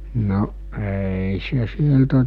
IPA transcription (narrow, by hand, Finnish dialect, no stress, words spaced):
no eˑi se sieltæ